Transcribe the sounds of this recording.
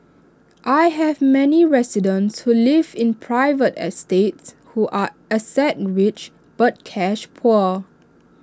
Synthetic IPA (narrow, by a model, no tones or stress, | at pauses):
ʔajɦɛvmɛniɹɛsidə̃nshulivɪ̃npʰɹaɪvətɛ̰stets | huʔa | əsɛt̚ɹit͡ʃ | b̥ət̚kʰɛʃpʰɔ